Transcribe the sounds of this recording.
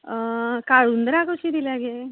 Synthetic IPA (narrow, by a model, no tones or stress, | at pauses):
kaɭund̪ɾakot͡ʃid̪ilaɡe